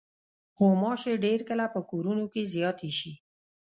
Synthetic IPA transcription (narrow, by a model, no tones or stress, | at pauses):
xomɑʃeɖeɾkəlapəkoɾunokezjɑt̪eʃi